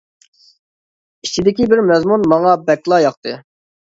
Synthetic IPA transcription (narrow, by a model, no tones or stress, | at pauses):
it͡ʃʰid̪ɪkʲibɪɾmɛzmunmɑŋɑbɛkʲlˠɑjɑq̚t̪ɨ